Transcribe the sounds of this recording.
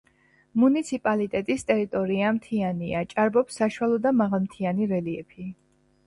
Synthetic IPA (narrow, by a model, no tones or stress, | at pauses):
munit̪sʰipʼalit̪ʼɛt̪ʼist̪ʼɛɾit̪ʼɔɾiamt̪ʰianiat͡ʃʼaɾbɔpsːaʃuwalˠɔd̪amaʁalˠmt̪ʰianiɾɛliɛpʰi